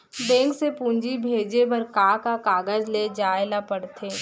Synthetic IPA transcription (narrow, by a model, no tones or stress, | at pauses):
bɛ̃ːŋksepũːɲd͡ʒibʱeːd͡ʒebɐɾkaːkakaːɡəzled͡ʒaːelapɐɽt̪ʰeː